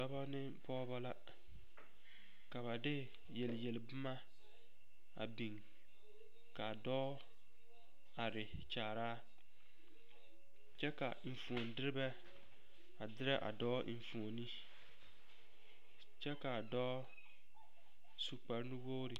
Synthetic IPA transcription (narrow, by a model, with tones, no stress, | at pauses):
a˦ba˦nɪ˦pɔː˦ba˦la˦ | ka˨βa˨dɪ˦ | jɛ˨ljɛ˨lbʊ˦ma˦ | a̰˨bi˨ŋ | ka˨dɔː˦ | a˨ɾɪ˨ | t͡ʃaː˨ɾaː˦ | t͡ʃɛ˦ka̰˨ɱ̩˨fu˨o˨n˦dɪ˦ɾɪ˦bɛ˦ | a˨dɪ˦ɾɛ˦ʔa̰˨dɔː˦˨fu˨o˨ni˦ | t͡ʃɛ˦ka˨dɔː˦ | su˦˨k͡pa˨ɾnɪ˦woː˦ɾɪ˨